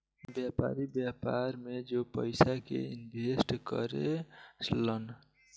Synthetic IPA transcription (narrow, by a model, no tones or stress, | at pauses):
bjapa̰ɾibjapaɾmed͡ʒopəɪsakḛinbʱesʈkə̰ɾḛt͡ʃʰlən